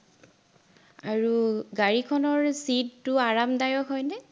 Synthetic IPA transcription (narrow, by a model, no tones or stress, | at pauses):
aɹuɡaɹikʰɔnɔɹsidːʊaɹamdajɔkɦɔjnɛ